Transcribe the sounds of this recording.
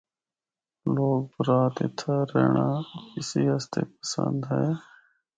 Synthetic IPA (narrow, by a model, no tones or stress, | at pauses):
loːɡ̚bəɾaːt̪ɪt̪ʰaːɾeːɳaːɪsiːɦəst̪ʰeːp̚əsə̰̃nd̪ɦɛe